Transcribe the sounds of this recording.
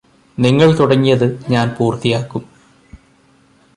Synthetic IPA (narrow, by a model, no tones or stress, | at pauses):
niŋːɐɭt̪uɽɐŋːijɐðɨɲaːnpuːrt̪ijaːkːum